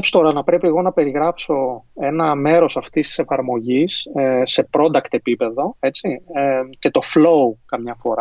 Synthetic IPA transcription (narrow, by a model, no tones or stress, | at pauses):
pst̪oɾɐnɐpɾe̞piliɣo̞nɐpe̞ɾiɣɾɐpso̞e̞nɐme̞ɾo̞sɐft̪ist̪i̥se̞fɐɾmo̞ʝisse̞pɾo̞d̪ɐkt̪e̞pipe̞ðo̞e̞t͡sice̞t̪o̞flo̞ukɐmɲɐfo̞ɾɐ